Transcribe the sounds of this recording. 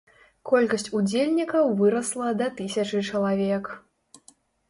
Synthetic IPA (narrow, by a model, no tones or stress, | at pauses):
kɔlʲkɐsʲt͡sʲud͡zʲelʲnʲikɐwvɨɾɐslˠɐd̪ɐt̪ɨsʲɐt͡ʂɨt͡ʂɐlˠavʲɛk